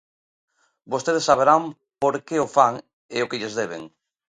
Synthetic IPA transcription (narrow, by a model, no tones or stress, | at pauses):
bost̪eð̞esːaβ̞eɾam | poɾkeofaŋ | eokɪʎezðeβ̞ḛŋ